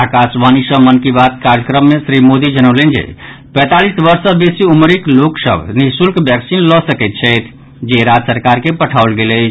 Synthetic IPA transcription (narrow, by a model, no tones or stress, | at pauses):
akasʋanisə̃mənkibat̪̚kaɾjəkɾəmːesɾimod̪id͡ʒənəʊlɛnd͡ʒḛ | pɛ̃t̪alisbəɾsəbesiumɾikloksə̰bʱniɦsulkbjɛksinlɔsəkɛt̪̚ːt͡ʃʰɛjt̪ʰ | d͡ʒeɾad͡ʒ̪səɾkaɾkepəʈʰaolɡelɛt͡ʃʰ